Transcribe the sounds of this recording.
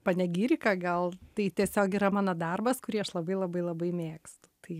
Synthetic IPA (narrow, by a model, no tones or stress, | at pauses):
pɐnʲɛɡʲiːɾʲɪkɐɡɐlˠt̪ɐɪt̪ʲiɛsʲoːkiːɾɐmɑːnɐd̪ɐrbɐskʊɾʲiːɐʃlˠɐbɐɪlˠɐbɐɪlˠɐbɐɪmʲeːkst̪ʊ̥t̪ɐɪ